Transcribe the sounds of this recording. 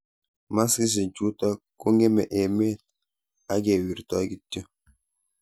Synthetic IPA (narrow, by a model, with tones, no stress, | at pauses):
ma˦si˦s̬i˨d͡ʒu˦tɔ˦ko˦ŋɡe˦mɛ˨ʔe˨me˦˨t | a˦ɡe˨wi˨ɾtɔ˦ɡi˦tə˦